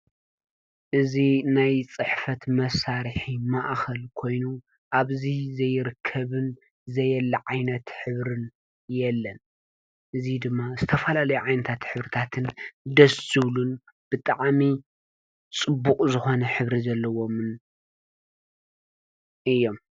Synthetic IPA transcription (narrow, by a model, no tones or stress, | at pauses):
ʔɨzinajt͡sʼɨħfɐt̪mɐsaɾɨħimaʔxɐlkʰo̞jnu | ʔaβzizɐjɪɾɨkʰːɐβɨn | zɐjɛlːɐʕajnɐt̪ħɨβɾɨn | jɛlːɐn | ʔɨzid̪ɨmːazɨt̪ʰɐfɐlalɐjuʕajnɐt̪ʰat̪ħɨβɾit̪ʰat̪ʰɨnd̪ɐsɨβlun | b̥ɨt̪ʼaʕmi | t͡sʼɨbːukʼzɨxo̞nɐħɨβɾizɐlːɐwo̞mɨn | ʔɨjːo̞m